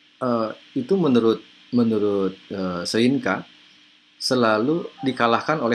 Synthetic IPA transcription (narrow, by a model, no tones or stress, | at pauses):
ʔəit̪umənuɾʊt̪̚ | mənuɾʊt̪̚əsəinka | səlaludikalahkanolɛ